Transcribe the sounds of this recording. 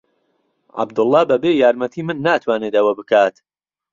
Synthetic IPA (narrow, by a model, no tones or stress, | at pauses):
ʕa̰bd̪ɨlˠːɑːbɐbeːjaːɾmɐt̪ʰiːmɨnːaːt̪ʰwaːneːd̪ɐwɐbɨkʰaːt̪